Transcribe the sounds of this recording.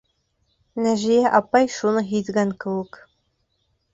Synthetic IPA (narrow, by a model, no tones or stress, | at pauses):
næʒijæʔɑpɑjʃunɤɦit̪ɡæŋkɤ̆wˠɤk